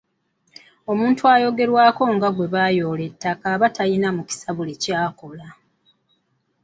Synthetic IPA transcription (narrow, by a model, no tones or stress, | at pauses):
o̞muːntuaːjo̞ɡe̞ɾwaːko̞ŋɡaɡwe̞βaːjo̞ːle̞tːakaβatajinamuci̥saβulecaːko̞la